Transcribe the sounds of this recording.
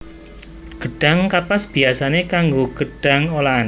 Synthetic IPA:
ɡ̥əɖ̥a̤ŋkapasb̥iasanekaŋɡoɡ̥əɖ̥a̤ŋolaːn

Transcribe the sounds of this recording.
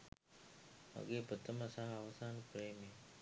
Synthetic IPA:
mɐ̰ɡeːpət̪əməsaɦɐʋɐsaːnpɾeːmeː

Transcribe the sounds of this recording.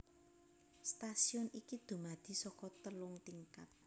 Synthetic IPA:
st̪asiɔnikid̪̥ṳmad̪̥i̤sɔkɔt̪əlʊŋt̪iŋkat̪̚

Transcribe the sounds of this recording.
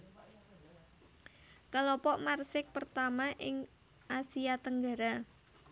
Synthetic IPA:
kəlɔpɔʔmarsɪk̚pərt̪amaʔɪŋ | ʔasiat̪əŋɡaɾa

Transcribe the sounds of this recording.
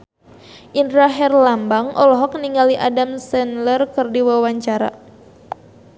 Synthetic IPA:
ʔindɾaɦɛrlambaŋʔɔ̰lɔɦɔk̚niŋaliʔadamsɛnlərkɨrdiwawaɲt͡ʃaɾa̰

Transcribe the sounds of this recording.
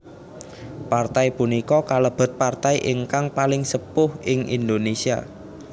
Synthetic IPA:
part̪aipunikɔkaləb̥ə̤t̪̚part̪aiʔɪŋkaŋpalɪŋsəpʊhɪŋʔḭnd̪onesia̰

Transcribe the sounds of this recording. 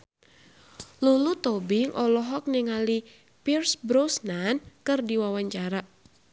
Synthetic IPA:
lulut̪ɔbɪŋʔɔlɔɦɔk̚niŋali | pirsbɾosnankɨrdiwawaɲt͡ʃaɾa

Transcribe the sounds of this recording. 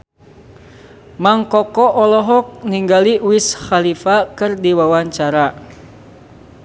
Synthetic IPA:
maŋkɔkɔʔɔlɔɦɔk̚niŋɡaliwisxalifakɨrdiwawaɲt͡ʃaɾa

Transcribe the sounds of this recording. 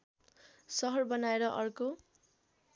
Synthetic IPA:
sʌɦʌrbʌnaeɾʌʔʌrko

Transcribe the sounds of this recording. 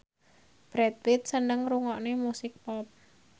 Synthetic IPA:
b̥ɾɛt̪̚wɪt̪̚sənəŋruŋɔʔnemusɪk̚pɔp̚

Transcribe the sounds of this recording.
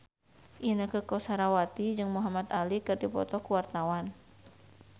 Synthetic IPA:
ʔinəkəkɔsaɾawat̪id͡ʒɨŋmuɦamat̪alikɨrdipɔ̰t̪ɔkuwart̪awan

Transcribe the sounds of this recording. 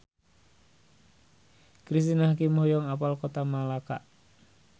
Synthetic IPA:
kɾis̬t̪inahkimɔhjɔŋapalkot̪amalaka̰ʔ

